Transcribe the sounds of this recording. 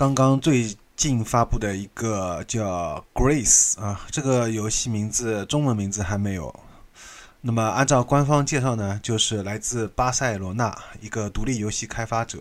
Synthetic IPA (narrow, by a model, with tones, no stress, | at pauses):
kɑ˥ŋkɑ˥ŋt͡swe˥˧ɪ | t͡ɕi˥˩nfa˥pu˥˩d̪ə˩i˧˥ɡə˧t͡ɕjɑ˥˩ʊkɹe˥sɐ˧ʈ͡ʂɤ˥˩ɡə˩jo˧˥ʊɕi˥˩mi˧˥ŋd͡zɹ̩˧ʈ͡ʂʊ˥ŋwə˧˥nmi˧˥ŋd͡zɹ̩˧xa˧˥ɪme˧˥ɪjo̰˨˩˦ʊ | na˥˩mə˩a˥˧nʈ͡ʂɑ˥˩ʊkwa˥nfɑ˥ŋt͡ɕjɛ˥˧ʂɑ˥˩ʊnə˩t͡ɕjo˥˧ʊʂɻ̩˥˩la˧˥ɪt͡sɹ̩˥˩pa˥sa˥˩ɪlwɔ˧˥na̰˥˩i˧˥ɡə˧t̪u˧˥li˥˩jo˧˥ʊɕi˥˩kʰa˥ɪfa˥ʈ͡ʂɤ̰˨˩˦